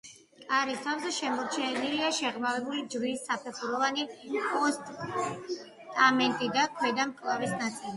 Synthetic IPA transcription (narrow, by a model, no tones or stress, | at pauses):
aɾist̪ʰavzɛʃɛmɔɾt͡ʃʰɛniliaʃɛʁmavɛbulid͡ʒɾisːapʰɛχuɾɔvanipʼɔst̪ʼ | t̪ʼamɛnt̪ʼid̪akʰwɛd̪amkʼlˠavisnat̪sʼili